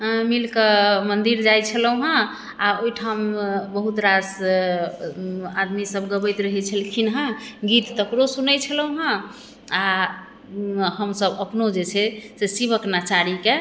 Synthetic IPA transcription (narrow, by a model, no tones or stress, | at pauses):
milkəmənd̪iɾd͡ʒajt͡ʃʰələwɦã | aojʈʰambəɦut̪ɾas | ad̪misəbɡəbəjt̪ɾəɦɛt͡ʃʰəlkʰinɦə̃ɡit̪ːəkɾosunəjt͡ʃʰələwɦã | a | həmsəbəpnod͡ʒet͡ʃʰɛsesiβəknat͡ʃaɾike